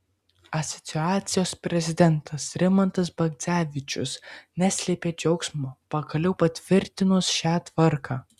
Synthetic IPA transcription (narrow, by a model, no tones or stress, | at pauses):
ɐsʲɔ̥t̪sʲɪɑːt̪sʲɪjoːspʲɾʲɛzʲɪd̪ʲɛnˑt̪ʰɐsɾʲɪmɐnt̪ɐs̬bɐɡt̪sʲæːʋʲɪt͡ʃʲʊ̰snʲæːsʲlʲeːpʲeːd͡ʒʲɛʊksʲmoːpɐkɐlʲɛʊpɐt̪ʲʋʲɪɾʲt̪ʲɪnʊsʃʲæːt̪ʋɐɾkʰɑː